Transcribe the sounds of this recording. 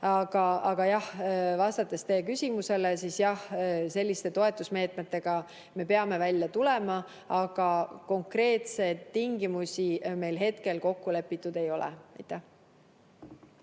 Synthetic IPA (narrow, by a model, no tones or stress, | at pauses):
ɑɡ̥ɑɑɡ̥ɑjɑhvɑst̪ɑt̪ːˑest̪e̞ːkysʲimuse̞lesisjɑhse̞lʲːist̪e̞t̪o̞e̞t̪ːˑusme̞ːt̪ˑme̞t̪ːe̞ɡ̥ɑ | me̞pe̞ɑme̞vælʲjɑt̪ule̞mɑ | ɑɡ̥ɑko̞ŋkɾe̞ːt̪se̞jd̪t̪ːiŋɡimusʲime̞jlɦe̞t̪ke̞lko̞kːule̞pːˑit̪ːˑud̪e̞jo̞lḛɑ̰jt̪ːˑæh